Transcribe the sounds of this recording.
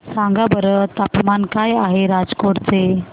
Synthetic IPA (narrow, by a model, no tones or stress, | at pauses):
sãŋɡabəɾət̪apmankajaɦeɾad͡zkoɾt͡se